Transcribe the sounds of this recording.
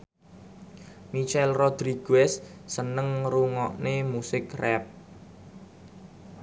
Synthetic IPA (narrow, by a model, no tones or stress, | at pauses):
nit͡ʃɛlrɔd̪̥ɾiɡ̥ɛsːənəŋruŋɔʔnemusɪkrɛp̚